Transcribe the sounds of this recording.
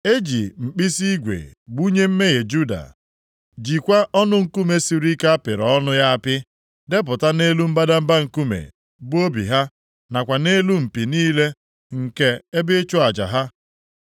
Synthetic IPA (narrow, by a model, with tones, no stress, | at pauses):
e˦d͡ʒi˨m̩˨k͡pi˦si˦ɡʷḛ˨ɡ͡bu˦ɲe˦m̩˦me˦ɣe˨d͡ʒu˦da̰˨ | d͡ʒi˨kʷa˦ʔɔ˦nʊ˦ŋ̩˦ku˦me˨si˨ɾi˦ka˦pɪ˨ɾɔ˨ɔ˦nʊ˦ja˦a˦pɪ˦ | de˦p̬ʊ˨ta˦ne˦lu˦m̩˦ba˦da˦m̩˦ba˦ŋ̩˨ku˦mḛ˨ | bʊ˦o˦bḭ˨ɦa˦ | na˨kʷa˨ne˦lu˦m̩˨pi˨niː˦le˦ | ŋ̩˨ke˦e˦bɪ˦t͡ʃʊ˦a˨d͡ʒa̰˨ɦa˦